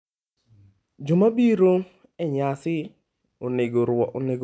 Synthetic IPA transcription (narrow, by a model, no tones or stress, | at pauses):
d͡ʒomabiɾo | ɛɲasɪ | ʊnɪɡoɾwɔʔʊnɪɡ